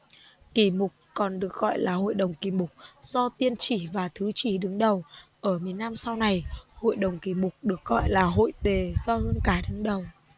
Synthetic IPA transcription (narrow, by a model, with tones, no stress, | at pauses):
ki˧˩mʊ˨˩k͡p̚kɔ˨˩nɗɨ˨˩ək̚ɣɔ̰˧˨jlaː˨˩ɦo̰˧˨jɗə˨˩wŋ͡mki˧˩mʊ˨˩k͡p̚z̥ɔ˧t̪i˧ənt͡ɕi˧˩vaː˨˩t̪ʰɨ˨˦t͡ɕi˧˩ɗɨ˨˦ŋɗə˨˩wʔəː˧˩mi˨˩ənːa˧msa˧wna˨˩jho̰˧˨jɗə˨˩wŋ͡mki˧˩mʊ˨˩k͡p̚ɗɨ˨˩ək̚ɣɔ̰˧˨jlaː˨˩ɦo̰˧˨jt̪e˨˩zɔ˧hɨ˧ənkaː˨˦jɗɨ˨˦ŋɗə˨˩w